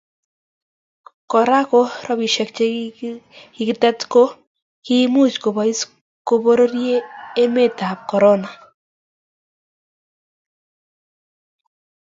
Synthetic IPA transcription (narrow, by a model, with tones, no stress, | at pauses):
ko˨ɾa˦ko˦rɔ˦βi˨ʃɛ˨k̚t͡ʃe˦ | kiki˦tɛ˦tko˦ | ki˦mu˦t͡ʃko˨ba˨i˦s | ko˦bo˦ɾo˦ɾjeː˦me˦ta˨p̚ko˨ɾo˦na˨